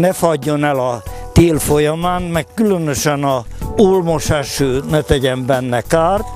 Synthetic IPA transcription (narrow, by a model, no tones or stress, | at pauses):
nɛfɒɟːo̞nɛlɒt̪eːlfo̞jɒmaːnmɛkːylønøʃɛnɒ | uːlmoʃaʃøːnɛt̪ɛɟɛmbɛnːɛkaːrt̪